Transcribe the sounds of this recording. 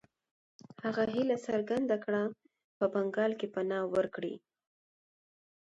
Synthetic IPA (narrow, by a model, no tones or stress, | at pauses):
haɣaɦilasaɾɡand̪akɽa | pəbaŋɡɑlkepanɑwəɾkɽḭ